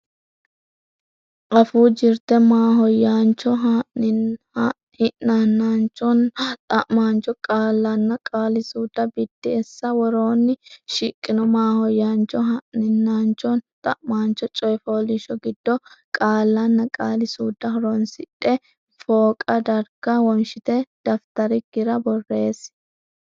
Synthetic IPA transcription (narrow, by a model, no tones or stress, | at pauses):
ʔɐfuːd͡ʒɪɾt̪ɛmaːɦɔjːaːnt͡ʃɔɦ | hɪʔnanːaːnt͡ʃɔnt̪ʼɐʔmaːnt͡ʃɔkʼaːlːɐnːɐkʼaːlɪsuːd̪ːɐbɪd̪ːɪɛsːɐwɔɾoːnːɪʃɪkʼːɪnɔmaːhɔjant͡ʃɔɦɐʔnɪnːaːnt͡ʃɔnt̪ʼɐʔmaːnt͡ʃɔt͡ʃʼɔjfoːlɪʃɔɡɪd̪ːɔkʼaːlːɐnːɐkʼaːlɪsuːd̪ːɐɦɔɾoːnsɪᶑɛ | foːkʼɐd̪ɐɾɡɐwɔnʃɪt̪ɛd̪̥ɐft̪ɐɾɪɡ̥ɪɾɐbɔrːe̞ːs